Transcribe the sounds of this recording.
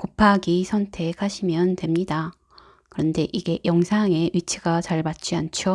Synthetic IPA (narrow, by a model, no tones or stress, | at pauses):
kopʰaɡisʰʌntʰe̞kʰhaɕʰimjʌntwe̞mɲida | kɯɾʌnde̞ʔiɡe̞jʌŋsʰaŋe̞ɥit͡ɕʰiɡat͡ɕaɭmat̚t͡ɕ͈iant͡ɕʰo